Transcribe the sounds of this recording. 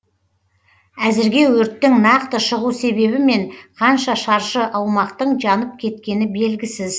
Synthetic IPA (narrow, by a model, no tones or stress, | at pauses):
æzɪɾɡʲe̞wɵɾt̪ːɪŋnɑqt̪əʃəʁuse̞βe̞βɪme̞ɴqʰɑnʃɑʃɑɾʃəʔɑwmɑqt̪əɴʒɑnəp̚kʲʰe̞t̪kʲe̞nɪbe̞lɡʲɪsɪz